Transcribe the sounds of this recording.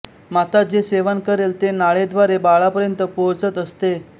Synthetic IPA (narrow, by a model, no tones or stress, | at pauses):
mat̪ad͡ʑeseʋənkəɾelt̪enaɭed̪ʋaɾebaɭapəɾjənt̪əpot͡sət̪əst̪e